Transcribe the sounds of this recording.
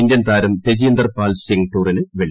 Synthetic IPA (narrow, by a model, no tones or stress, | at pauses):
indʲjɐnt̪aːɾɐmt̪ed͡ʑijːnd̪ɐrpaːlseŋɡʈːuːrinɨʋeɭ